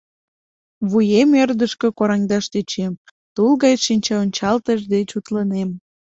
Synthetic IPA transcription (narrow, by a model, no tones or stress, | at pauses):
βujemørd̪əʃkekoɾɑŋd̪ɑʃt̪et͡ɕem | t̪ulɣɑjʃinʲt͡ɕɑonʲt͡ɕɑlt̪əʒd̪et͡ɕut̪lənem